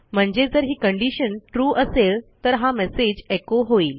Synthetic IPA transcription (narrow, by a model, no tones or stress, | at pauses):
m̤əɳd͡ʑed͡zəɾɦiːkəɳɖiɕənʈɾuːʔəseɭt̪əɾɦamɛsed͡ʑekoɦoiːl